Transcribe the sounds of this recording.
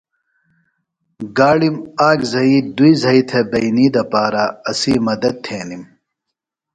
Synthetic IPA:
ɡaːɽimaːɡzɐid̪uizɐit̪ʰɐbɐjniːd̪ɐpaːɾaɐsimɐd̪ɐd̪̚t̪ʰeːnim

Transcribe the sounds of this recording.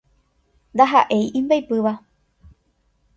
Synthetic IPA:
nd̪aɦa̰ʔe̞jʔĩmbajpɨʋa

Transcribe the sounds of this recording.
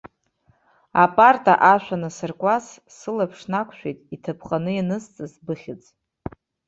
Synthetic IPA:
apʼartʰʼaʔaʃᶣʷanasɨrkʷʼas | sɨlapʰʂnakʷʰʃᶣejtʼitʰapʰχqʼanɨjanɨst͡sʼɨzbɨχʲɪt͡sʼ

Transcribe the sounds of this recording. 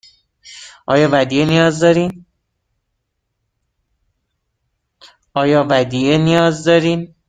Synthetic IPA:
ʔɒːjɒːvæd̪iːenijɒːzd̪ɒːɾiːn | ʔɒːjɒːvæd̪iːenijɒːzd̪ɒːɾiːn

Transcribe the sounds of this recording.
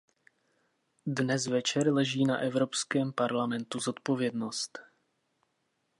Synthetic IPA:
dnɛzvɛt͡ʃɛɾlɛʒiːnaʔɛvɾo̞pskɛːmpaɾlamɛnt̪uzo̞t̪̚po̞vjɛdno̞st̪

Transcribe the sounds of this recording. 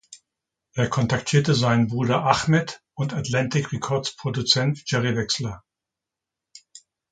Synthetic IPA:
ʔeːɐkʰɔntaktʰiːɐtəzaɪnənbʁuːdɐʔaχmɛt | ʊntatlantɪkʁɛkʰɔɐt͡spʁ̥odut͡sɛntʒ̥ɛʁivɛkslɐ

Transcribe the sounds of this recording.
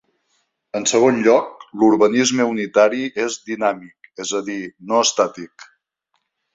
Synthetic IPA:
ənsəɣ̞onʎɔk̚luɾβənizməunit̪aɾiʔezd̪inamikezəðinoəst̪at̪ik

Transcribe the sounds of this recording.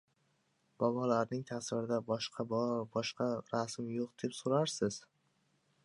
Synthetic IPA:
b̥ɒbɒlaɾnɪŋt̪ʰasɪɾɪd̪abɒʃqʰɑbbɒʃqʰɑɾasmjoqd̪̥e̞psoɾaɾsɪz̥

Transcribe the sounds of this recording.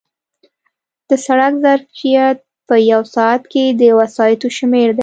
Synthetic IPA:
d̪̥əsaɽakzaɾfijat̪̚ | pəjawsɑat̪ked̪əwasɑjɪt̪oʃmeɾd̪e

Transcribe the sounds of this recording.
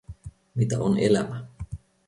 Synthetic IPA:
mit̪æonʔelæmæ

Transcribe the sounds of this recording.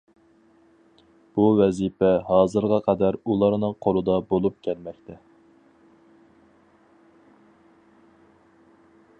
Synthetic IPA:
b̥uwɛzipɛɦɑːzɨɾʁɑqʰɑd̪æɾulˠɑɾnɨŋqʰoɾɨd̪ɑbolˠup̚kʲʰɛlmɛkʲt̪ʰɛ

